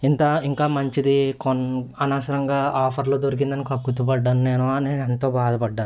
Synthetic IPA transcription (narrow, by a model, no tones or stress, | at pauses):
int̪ɐiŋkaːmɐɲt͡ʃid̪ikonɐnaːsɐɾɐŋɡaːʔaːpʰɐɾloːd̪oɾik̬ind̪ɐnikɐkːut̪ːubɐɖːaːnuneːnuɐneːnent̪o̞ːbaːd̪ɐpɐɖːaːnu